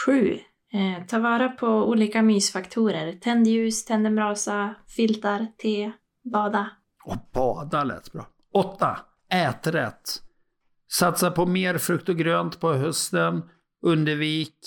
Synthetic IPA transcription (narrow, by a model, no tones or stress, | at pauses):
ɧʉ̟ː | t̪ʰɑːɾvɑːɾapʰɔṵːliːkamyːsfakt̪ʰuːɾəɾt̪ʰɛnd̪jʉ̟ːst̪ʰɛnd̪əmɾɑːsafɪlt̪aɾt̪ʰeː | bɑːd̪a | ɔbʰɑːd̪alɛ̰ːt̪sbɾɑ̰ː | ɔt̪ːa̰ | ɛːt̪ɾɛt̪ː | sat̪sapʰɔmeːɾfɾɵkt̪ɔɡɾøːnt̪pʰɔɦœst̪ən | ɵnd̪əɾviːk